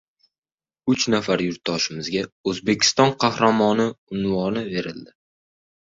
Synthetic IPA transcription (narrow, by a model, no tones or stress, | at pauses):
ʊt͡ʃnafaɾjʊɾt̪̚dɒʃɪmɪzɡʲaɵzbe̞kʲʰɪ̥st̪ɒnqʰɑhɾamɒnɪʊnvɒnɪve̞ɾɪld̪ɪ